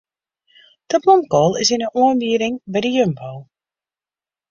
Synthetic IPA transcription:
d̥əblɔmkɔlˠɪsɪnəʔuənbyəɾɪŋbɛjdəjømpowlˠ

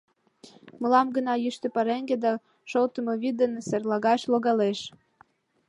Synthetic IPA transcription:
məlɑmɡə̆nɑjyʃt̪ĕpɑɾeŋɡed̪ɑ | ʃolt̪ə̆mɤβid̪ənserlɑɣɑʃloɣɑleʃ

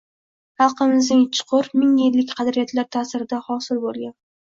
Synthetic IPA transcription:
hɑlˠqɨmɪznɪŋt͡ʃʰʊ̥qʰʊɾmɪŋjelːɪkʲqʰɑd̪ɾijat̪laɾt̪ʰaːsɪɾɪd̪ahɒsɪlbolˠɡʲan

